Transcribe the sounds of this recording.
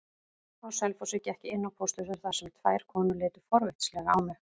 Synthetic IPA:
awsɛlfɔsɪcɛhcɪɪnːawpʰost̪ʏsʏɾ̥θasɛmt̪ʰvaːjɾ̥kʰɔːnʏlɪːt̪ʏ̥fɔɾvɪht̪slɛɣaawmɛ

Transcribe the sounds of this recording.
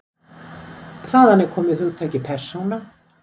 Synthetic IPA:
θaːðanːɛɾkʰɔːmɪðhuːt̪ʰaːjcɪpʰɛr̥sowna

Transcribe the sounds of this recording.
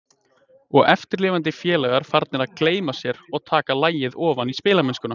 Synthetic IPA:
ɔɣɛft̪ɪɾlɪːvant̪̬ɪfjɛːlɛɣaɾ̥faɾt̪̚nɛɾaðkleːjmasjɛɾɔɣt̪ʰaːkalaːjɪðɔːvanispɪːlaɾmɛnskʏna

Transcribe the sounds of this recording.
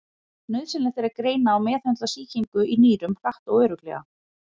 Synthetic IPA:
nʏɥðsɪlɪθɛɾakɾeːjnaːwmɛːθɛnt̪asiːciŋkʏʔiniːɾʏmr̥aht̪awœːɾʏklɛ̰ɣa̰

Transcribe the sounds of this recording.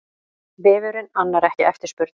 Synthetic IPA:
vɪːvʏɾʏnanːaɾɛhcɪʔɛft̪ɪɾ̥spʏɾt̪

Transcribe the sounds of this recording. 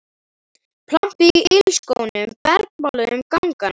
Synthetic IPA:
pʰlam̥piɪlskownʏmpɛɾk̚mɔlʏʏmkawŋkan

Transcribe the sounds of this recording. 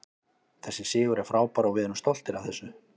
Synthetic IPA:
θɛsːɪ̥sɪːɣʏɾɛɾ̥fɾaːwpaɾawvɪðɪnʏmst̪ɔl̥t̪ɪɾavθɛsːʏ

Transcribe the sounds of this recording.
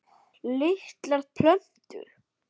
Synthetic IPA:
lɪht̪laɾtpʰlœm̥t̪ʏ̰ɾ̥

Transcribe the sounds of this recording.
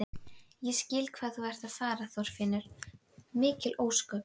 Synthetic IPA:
jɛscɪːlkʰvaːðθuvɛɾ̥t̪aðfaːɾaθɔɾ̥fɪnːʏɾ̥ | mɪːcɪlʔoːwskʏ

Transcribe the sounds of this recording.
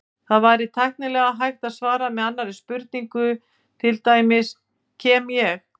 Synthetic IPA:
θaðvaːjɾɪt̪ʰajhknɪlɛːɣaɦajht̪aðsvaːɾamɛðanːaɾɪspʏɾt̪̚niŋkʏ | t̪ʰɪlt̪aːjmɪs | cʰɛːmjɛx

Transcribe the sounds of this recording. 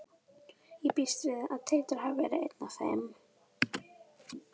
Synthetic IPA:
jɛpist̪vɪða̰ðt̪ʰelt̪ʏɾ̥havvɛ̰ɾɪḛjt̪nafɛ̰mː

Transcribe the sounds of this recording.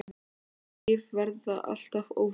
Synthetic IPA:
ɪvvɛɾðaʔa̰l̥t̪avoːw

